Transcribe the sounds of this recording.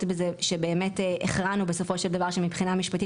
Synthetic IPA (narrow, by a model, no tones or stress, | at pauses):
tbezeʃe̞be̞ːme̞teʔeχʁanube̞so̞fo̞ʃeld̪avaʁʃemibχinamiʃpati